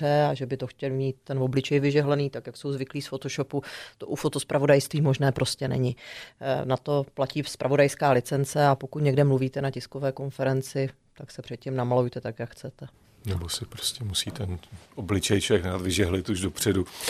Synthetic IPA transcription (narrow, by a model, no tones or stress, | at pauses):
ɛaʒɛbɪt̪o̞xcɛlmiːt̪̚ːɛnvo̞blɪt͡ʃɛjvɪʒɛɦlɛniːt̪akjakso̞wzvɪkliːsfo̞t̪oʃo̞put̪oʔufo̞t̪ospɾavo̞dajst̪viːmo̞ʒnɛːpɾʔo̞scɛnɛ̰ɲɪ | nat̪o̞placiːspɾavo̞dajskaːlɪt͡sɛnt͡sɛapo̞kut̪ɲɛɡdɛmluviːt̪ɛnacɪskovɛːko̞nfɛɾɛnt͡sɪ | t̪aksɛpr̥ɛt̪̚cɪmnamalujt̪ɛt̪akjakxt͡sɛt̪ɛ | nɛbosɪpɾoscɛmusiːt̪ɛnʔoblɪt͡ʃɛjt͡ʃɛɡnaːt̪vɪʒɛɦlɪt̪uʒdo̞pr̝̥ɛdu